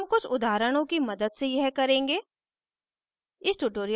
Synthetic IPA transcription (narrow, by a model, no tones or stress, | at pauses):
mkʊt͡ʃʰʊd̪aːɾəɽ̃õkimɐd̪əd̪sejɐɦkɐɾẽːŋɡeː | ɪsʈuʈoːɾij